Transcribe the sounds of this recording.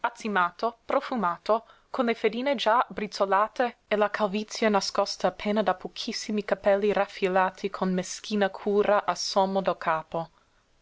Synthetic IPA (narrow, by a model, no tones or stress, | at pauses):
at̪simaːt̪opɾofumaːt̪o | kʰonlefed̪iːned͡ʒabɾit͡solaːt̪eelakʰalvit̪sjanaskɔst̪aːpʰːeːnad̪apʰokʰisːimikapɛlːiɾafilaːt̪ʰikʰonmeskiːnakʰuːɾaʔasomod̪okʰaːpo